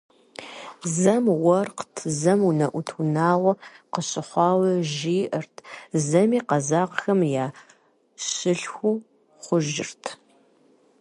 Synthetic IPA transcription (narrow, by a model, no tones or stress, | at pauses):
zɐmwɐrqtʰzɐmunɐʔʷʊtʰunaːʁʷɔqəɕʼɪχʷɑːwɐʒiːʔɐrtʰzɐmiːqɐzaːqxɐmjaː | ɕɪɬxʷu | χʷʊʒɪ̰rtʰ